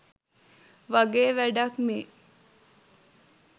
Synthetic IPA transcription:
ʋaɡeːʋæɖakmeː

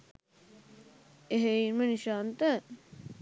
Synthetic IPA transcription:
eɦeinməniʃaːnt̪ə

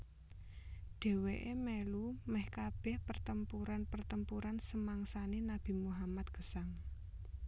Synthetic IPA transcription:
ɖ̥ɛ̤weʔemelumɛhkab̥ɛ̤hpərt̪əmpuɾanpərt̪əmpuɾansəmaŋsanenab̥i̤muɦamat̪̚ɡ̥ə̤saŋ

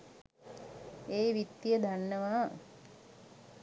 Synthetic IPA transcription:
eːʋit̪ːjəd̪ʱanːəʋaː

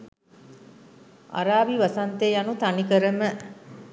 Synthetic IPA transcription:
a̰ɾaːʋiʋasant̪eːjanut̪anikəɾəmə

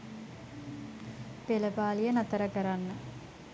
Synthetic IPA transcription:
peləpaːlijənɐt̪əɾəkəɾanːə

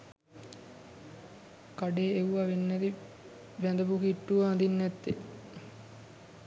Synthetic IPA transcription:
kaɖeːeuʋaʋenːɛt̪i | ʋæd̪əbukiʈːuʋaːnd̪inːɛt̪ːe

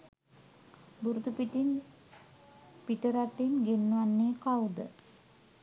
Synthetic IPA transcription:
buɾut̪upiʈin | piʈəɾaʈenɡenːuʋanːeːkawd̪ə̰

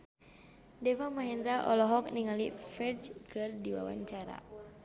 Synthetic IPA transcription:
dɛwamaɦɛndɾaʔɔ̰lɔɦɔk̚niŋalifɛd͡ʒkʰɨrdiwa̰wa̰ɲt͡ʃaɾa̰

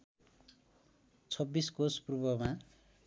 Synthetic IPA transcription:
t͡sʰʌbːiskospubʌma

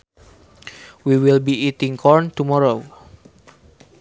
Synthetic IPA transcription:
wiwilbiit̪iŋkʰɔrnt̪umɔɾo

